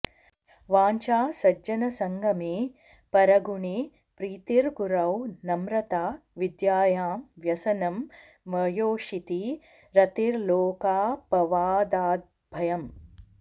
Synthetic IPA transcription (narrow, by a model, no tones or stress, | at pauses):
ʋaːɲt͡ʃaːsɐd͡ʒɐnɐsɐŋɡʱɐmeː | pɐɾɐɡuɳeː | pɾiːt̪iɾɡuɾɐwnɐmɾɐt̪aː | ʋid̪jaːjaːmʋjɐsɐnɐm | ʋɐjoːʂit̪i | ɾɐt̪iɾloːkaːpɐʋaːd̪aːd̪̚ | bʱɐjɐm